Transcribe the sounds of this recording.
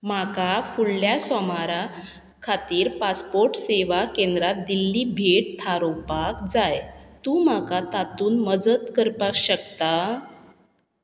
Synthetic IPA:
makafuɭljasɔmaɾa | kʰat̪iːɾpaspoɾʈseʋakẽnd̪ɾat̪̚d̪ilːiːbʱeʈ̚t̪ʰaɾopakd͡zajt̪uːmakat̪at̪uːnməd͡zət̪kəɾpakɕəkt̪a

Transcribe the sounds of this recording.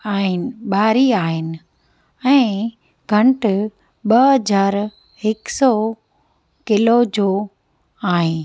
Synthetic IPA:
aːɦɪnɪ̆ɓaːɾiaːɦɪnɪ̆ | ɛ̃ː | ɡʱɐ̃ɳʈ | ɓɐɦɐd͡ʑaːɾ | ɦɪksɔ | kɪlod͡ʑoː | aːɦɪ̃ː

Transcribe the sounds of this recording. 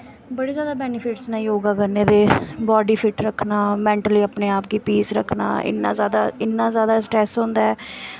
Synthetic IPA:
bəɽiːzjaːd̪aːbɛːnɪpʰɪʈsnãːjoːɡaːkəɾneːd̪eːbɔːɖiːpʰɪʈɾəkʰːnaːmɛ̃ːɳʈəliːəpneːaːp̚ɡiːpiːsɾəkʰːna̰ːɪ̰nːa̰ːzjaːd̪a̰ːɪnːãːzjaːd̪aːsʈɾɛːsɦõːnd̪aːɛː

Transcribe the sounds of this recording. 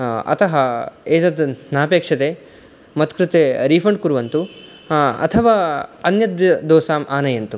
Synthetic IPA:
ɐ̰t̪ɐɦɐeːt̪ɐd̪naːpeːkʂɐt̪eː | mɐt̪kɾɪt̪eːɾiːpʰɐɳɖ̚kuɾʋɐnt̪u | ɐ̰t̪ʰɐʋaːɐnjɐt̪ɐd̪ɔːsaːmʔaːnɐjɐnt̪u

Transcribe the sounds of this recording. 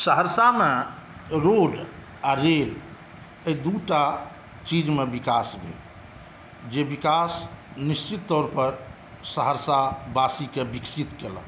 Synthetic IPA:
səɦəɾsameɾoɖ | aɾel | əid̪uʈa | t͡ʃid͡ʒmebikasbʱḛ | d͡ʒebikasnist͡ʃit̪ːɔɾpəɾ | səɦəɾsabasikebiksit̪kelə̰

